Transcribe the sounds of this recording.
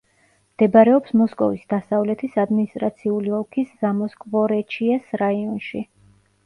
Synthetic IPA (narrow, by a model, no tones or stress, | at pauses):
md̪̥ɛbaɾɛɔpsmɔskʼɔvisd̪asavlɛt̪ʰisad̪minist̪ʼɾat̪sʰiuliɔlˠkʰiszamɔskʼvɔɾɛt͡ʃʰiɛsɾaiɔnʃi